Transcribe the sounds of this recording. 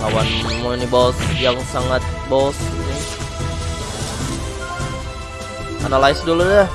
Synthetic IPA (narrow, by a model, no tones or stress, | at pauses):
kawanmunibosjaŋsaŋat̪̚bosja | ʔanalajsduluda